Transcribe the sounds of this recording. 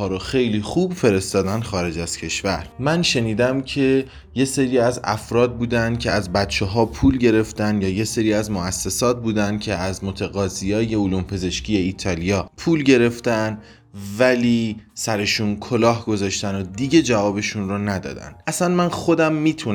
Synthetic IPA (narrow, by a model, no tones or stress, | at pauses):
ɒːɾoxe̞jliːxuːbfe̞ɾe̞st̪ɒːd̪ænxɒːɾe̞d͡ʒæz̥cʰe̞ʃvæɾmænʃe̞niːd̪æmcʰe̞ | je̞se̞ɾiːæzæ̰fɾɒːd̪̚buːd̪ænd̪̥̚cʰe̞æzbæt̪t͡ʃʰeɦɒːpʰuːlɟe̞ɾe̞ft̪ænd̪jɒːjese̞ɾiːæzmoæsːe̞sɒːt̪̚buːd̪ænd̪̥̚cʰe̞ʔæzmot̪ʰeɣɒːzijɒːje̞uluːmpʰe̞ze̞ʃciːje̞iːt̪ʰɒːlijɒːpʰuːlɟe̞ɾe̞ft̪ænd̪ | væliːsæɾe̞ʃuːnkʰolɒːɦɡo̞zɒːʃt̪ænod̪iːɟe̞d͡ʒævɒːbe̞ʃunronæd̪ɒ̰ːd̪æ̰nd̪ʔæsænmænxo̞d̪æmːiːt̪ʰun